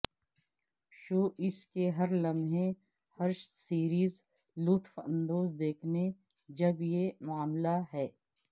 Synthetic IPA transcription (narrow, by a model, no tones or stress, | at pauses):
ʃoːʔɪskeɦɐɾlɐmɦẽ | hɐɾʃsiːɾiːz | luːt̪ʰfɐ̰̃nd̪oːzd̪eːkʰne | d͡ʒɐbjemʊaːmlaɦɛː